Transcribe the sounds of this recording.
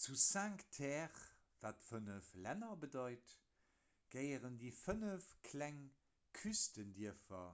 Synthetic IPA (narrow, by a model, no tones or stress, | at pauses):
t͡susaŋktʰɛːʁ | vaːtfənəflænɐbədɑɪt | ɡ̥əɪəʁəndiːfənəfkʰlæŋ | kʰystəndiəfɐ̰